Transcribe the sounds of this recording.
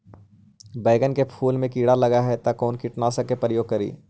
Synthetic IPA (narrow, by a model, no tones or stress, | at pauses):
bɛːɡənkepʰuːlmẽkiːɽalɐɡaɦɛt̪ɐkɔːnkɪʈnasɐkepɾəjoːɡ̚kɐɾḭː